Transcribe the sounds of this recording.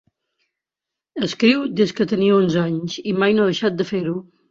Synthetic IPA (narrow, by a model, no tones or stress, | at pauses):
əskɾiwd̪eskət̪əniəonzaɲzimajnoðəʃat̪̚d̪əfeɾu